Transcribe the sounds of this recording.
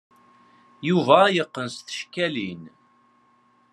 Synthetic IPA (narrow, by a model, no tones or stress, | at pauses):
juvæːjəqːənsθə̥ʃkælin